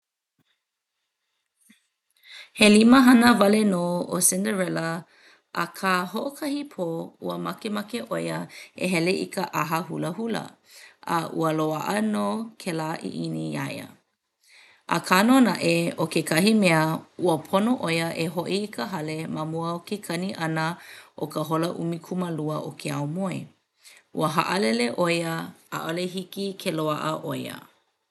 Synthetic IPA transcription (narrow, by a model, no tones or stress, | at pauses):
heliməɦɐnəvɐlenoːosɪndəɹɛlə | ʔɐkʰaːɦoʔokʰɐhipʰoṵəmɐkemɐkeʔojəḛɦɛleʔḭkəʔaɦəhuləhulə̰ | ə̰ʔuəloaʔənokʰelaʔḭʔinia̰jə̰ | ʔə̰kʰanonaʔeokekʰɐɦimeəuəpʰonoʔojəʔeɦoʔiːkʰəɦɐlemamuəokekʰɐniʔɐnəʔokəɦoləʔṵmikʰuməluəʔokʰeawmoḛ | ʔṵəɦa̰ʔəlɛleʔojəa̰ʔoleɦikikʰeloaʔəʔojə̰